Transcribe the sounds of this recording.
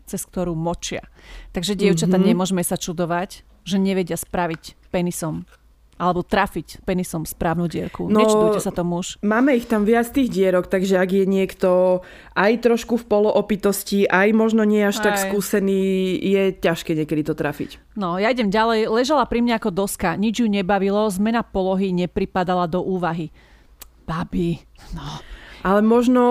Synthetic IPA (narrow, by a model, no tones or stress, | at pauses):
t͡sɛsk̚t̪ɔɾuːmɔt͡ʃɪa̰t̪aɡʒɛɟɪɛʊt͡ʃat̪aɲɛmʊɔʒmɛsat͡ʃud̪ɔʋac | ʒɛɲɛʋɛɟɪaspɾaʋicpɛnisɔm | alɛbɔt̪ɾaficpɛnisɔmspɾaːʊnuːɟɪɛɾkunɔɛt͡ʃud̪uɛsat̪ɔmuuʃmaːmɛixt̪amʋɪat͡st̪iːɣɟɪɛɾɔkt̪aɡʒɛaɡjɛɲɪɛkt̪ɔ | ʔajt̪ɾɔʃkufpɔlɔʔɔpit̪ɔsciʔajmɔʒnɔɲɪɛaʃt̪akskuːsɛniːjɛcaʃkɛːɲɪɛkɛd̪it̪ɔt̪ɾafḭc | nɔjaiɟɛmɟalɛjlɛʒalapɾimɲaakɔd̪ɔskaɲid͡ʒjuɲɛbaʋilɔzmɛnapɔlɔɦiɲɛpɾipad̪alad̪ɔʔuːʋaɦi | b̥abi | nɔʔalɛmɔʒnɔ